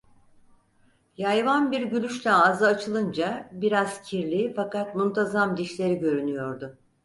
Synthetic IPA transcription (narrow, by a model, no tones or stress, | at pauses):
jajvanbiɾɟylʲyʃlʲɛazɯːt͡ʃʰɯlˠɯnd͡ʒabiɾaz̥cʰiɾlʲiːfakat̪munt̪ʰazamd̪iʃlʲe̞ɾiɟø̞ɾynyjo̞ɾd̪ʊ